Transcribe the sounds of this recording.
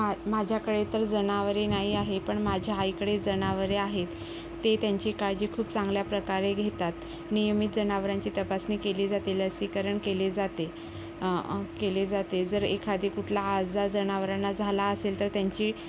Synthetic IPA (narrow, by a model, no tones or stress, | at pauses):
amad͡ʑʱjakəɽet̪əɾd͡zənaʋəɾenaɦiaɦepəɳmad͡ʑʱaɦaikəɽed͡zənaʋəɾeaɦet̪ː | et̪jaɲt͡ɕiːkaɭd͡ʑiːkʰuːpt͡sãŋɡljapɾəkaɾeɡʱet̪at̪ | nijəmiːt̪̚d͡zənaʋəɾaɲt͡ɕiːt̪əpasniːkeliːd͡zat̪eləsikəɾəɳkeled͡zat̪e | keled͡zat̪ed͡zəɾekʰad̪ʱikuʈʰlaːd͡zd͡zad͡zənaʋɾanːad͡zʱalaəselt̪əɾt̪jaɲt͡ɕiː